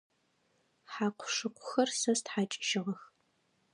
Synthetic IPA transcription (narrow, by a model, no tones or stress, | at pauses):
ħaːqʷʰʊ̥ʂɨqʷʰʊxɐrsɐstħaːt͡ʃʼʃɪʁɐx